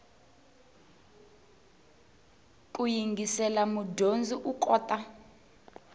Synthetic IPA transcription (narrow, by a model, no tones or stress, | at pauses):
kʼujiŋɡʱisɛlamudʱond͡zʱiʔukʼɔːtʼa